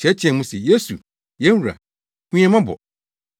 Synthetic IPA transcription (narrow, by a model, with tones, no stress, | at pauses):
ɕɛ˨˦t͡ɕʰɛ̃˨mũ˦sɛ˨je˦su˨ | jɛ̃˦n˦hɾa̰˨ | kũ˦ɛ̃˦mã˦bɔ̰˨